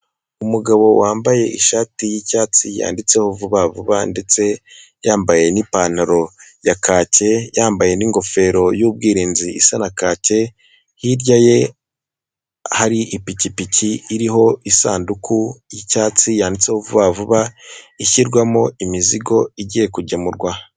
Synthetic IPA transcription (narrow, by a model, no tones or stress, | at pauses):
umuɡaβo̞waːmbaje̞ʔiʃaːtijicaːt͡sija̰ːndit͡se̞hovuβavuβande̞t͡se̞ | jaːmbaje̞nipan̥aɾo̞jakʰaːce̞jaːmbaje̞niŋɡo̞fe̞ːɾo̞jub̚ɡiːɾiːnziisanakaːce̞ | hiɾɟaje̞ | haɾiʔipicipiciːɾiɦo̞isaːndukʰujicaːt͡sijaːndit͡se̞hovuβavuβaiçiɾɡwamoimiziɡo̞iɟije̞kuɟemuɾɡwa